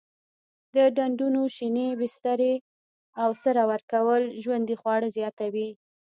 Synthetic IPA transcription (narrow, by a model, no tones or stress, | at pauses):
d̪əɖaɳɖunoʃinebɪst̪aɾe | awsəɾɑwaɾkawəlʒwand̪ixwɑɽəzjɑt̪awi